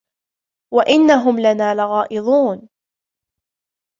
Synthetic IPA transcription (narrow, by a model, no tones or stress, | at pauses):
waʔɪnːaɦʊmlanaːlɪɣɑːʔɪðˤuːn